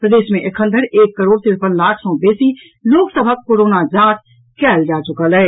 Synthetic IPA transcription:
pɾəd̪eːʃmẽʔɪkʰə̃nd̪əɾeːkːəɾoːɾt̪ɪɾpənlaːkʰsɔ̃beːsi | loːksəbʱakːoːɾoːnad͡ʒaːt̪ | kɛːld͡ʒaːt͡ʃʊkəlɦɛː

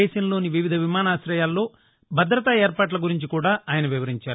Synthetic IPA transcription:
eːʃɐnɐlo̞ːniʋiʋid̪ʱɐʋimaːnaːsɾɐjaːlːo̞ː | bʱɐd̪ɾɐt̪ɐɛːɾpaːʈ̬lɐɡuɾiɲt͡ʃikuːɽaːaːjɐnɐʋiʋɐɾiɲt͡ʃaːɾu

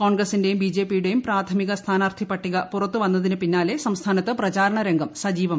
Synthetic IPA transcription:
ko̞ːɳɡrɐsinde̞jumbid͡ʑe̞ːpːijuɽe̞jumpraːt̪ʰɐmiɣɐst̪ʰaːnaːrt̪ʰipːɐʈːiɣɐpurɐt̪ːuʋɐnːɐðinɨpinːaːle̞sɐmst̪ʰaːnɐt̪ːɨprɐt͡ɕaːɾɐɳɐɾe̞ŋɡɐmsɐd͡ʑiːʋɐm

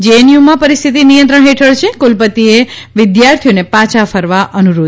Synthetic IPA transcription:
d͡ʒenjumãpəɾist̪ʰit̪inijə̃nt̪ɾəɳɦeʈʰəɭt͡ʃʰekulpət̪ieʋɪd̪jaɾt̪ʰijonepãt͡ʃʰafəɾʋaʔənuɾo

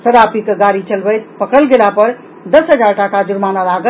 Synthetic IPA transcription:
səɾapikɡaɾit͡ʃəlbəjt̪̚pəkəlɡelapəɾ | d̪əsɦəd͡ʒaɾʈakad͡ʒuɾmanalaɡə

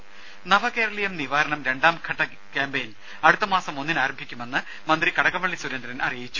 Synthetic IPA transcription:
nɐʋɐkeːɾɐɭijɐmniʋaːɾɐɳɐmɾe̞ɳɖaːmkʰɐʈːɐ | kaːmbejn | ɐɽut̪ːɐmaːsɐmo̞nːinaːɾɐmbʱikʲːume̞nːɨ | mɐnd̪rikɐɽɐɣɐmɐɭːisuɾɐnd̪ɾɐnʔɐrijit͡ɕːu̥

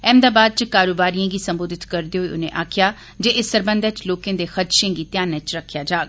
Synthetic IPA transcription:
ɛ̃ːmd̪aːbaːd̪̚t͡ʃkaːɾoːbaːɾijãːɡiːsəmboːd̪ɪt̪kəɾd̪eːɦoiːʔʊnḛ̃ːʔaːkʰjaː | d͡ʒeːʔɪsːəɾbə̃nd̪ət͡ʃloːkẽːd̪eːxət̪ʃẽːɡiːt̪jaːnət͡ʃɾəkʰːjaːd͡ʒaːɡ̚

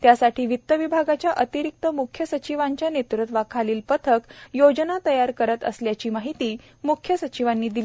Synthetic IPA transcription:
t̪jasaʈʰiːʋit̪ːəʋibʱaɡat͡ɕjaʔət̪iɾik̚t̪əmukʰjəsət͡ɕiʋaɲt͡ɕjanet̪ɾət̪ʋakʰaliːlpət̪ʰəkjod͡ʑnat̪əjaɾkəɾət̪ə̰sljat͡ɕiːmaɦit̪iː | mukʰjəsət͡ɕiʋanːiːd̪iliː

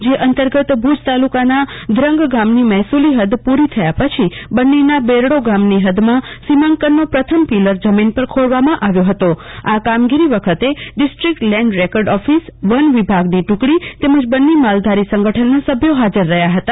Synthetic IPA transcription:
d͡ʒeʔənt̪əɾɡət̪bʱud͡ʒt̪alukanad̪ɾəŋɡɡamnimɛɦsuliɦəd̪puɾit̪ʰəjapət͡ʃʰibənːinabeɾɽoɡamniɦəd̪mãsimãŋkənːopɾət̪ʰəmpiləɾd͡ʒəminpəɾkʰoɭʋamãʔaʋjoɦət̪oakamɡiɾiʋəkʰət̪eɖɪsʈɾikʈlɛ̃ɳɖɾekəɾɖɔfisʋənʋibʱaɡniʈũkɽit̪eməd͡ʒbənːimald̪ʱaɾisə̃ŋɡəʈʰənːasəbʱjoɦad͡ʒəɾːəɦjaɦət̪a

